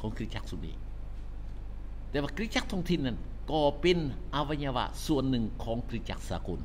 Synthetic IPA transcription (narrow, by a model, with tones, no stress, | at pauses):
kʰɔː˨˩˦ŋkʰɾi˧t̪̚t͡ɕa˧˥k̚su˨˩nḭː˧˩ | t̪ɛː˧waː˧kɾi˧˥t̪̚t͡ɕa˧˥k̚t̪ʰɔː˧ŋt̪ʰi˧˨nːa˧˥˩n | kɔː˧˩pe˧nʔa˧wa˧ɲaː˧wa̰˧su˨˩ənːɯ˨˩ŋkʰɔː˩˦ŋkʰɾi˧˥t̪̚t͡ɕa˧˩k̚saː˨˦ko˧˩˨n